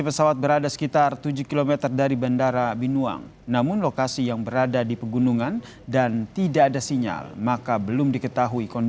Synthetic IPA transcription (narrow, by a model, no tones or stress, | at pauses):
ipəsawat̪̚bəɾadasə̥kit̪art̪ud͡ʒʊkilomɛt̪ərdaɾibandaɾabinua̰ŋ | namʊnlokasijaŋbəɾadadipəɡunuŋan | dant̪idaːdasiɲa̰lmakabəlʊmdikət̪aɦuikɔn